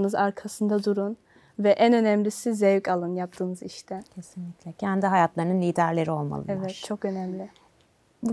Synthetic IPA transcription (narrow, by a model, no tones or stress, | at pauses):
nɯzaɾkʰasɯnd̪ad̪uɾun | vɛʔænø̞næmlʲisizɛvcalˠɯnjap̚t̪ʰɯːnɯziʃt̪ʰɛcʰesinlʲicʲlʲɛcʰænd̪iɦajat̪lˠaɾɯnɯnʲiːd̪æɾlʲe̞ɾio̞lˠma̰lˠɯ̰evɛt̪̚t͡ʃʰo̞kø̞næmlʲɪ